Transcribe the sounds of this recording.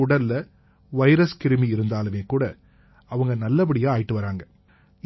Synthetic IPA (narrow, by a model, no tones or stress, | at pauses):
ʊɽɐlːɐ | ʋɐɪɾɐskɪɾɯmiɪɾɯnd̪aːlɯmeːkuːɽɐ | ɐʋɐŋɡɐnɐlːɐp̬ɐɽɪjaːaːjɪʈːɯʋɐɾaːŋɡɐ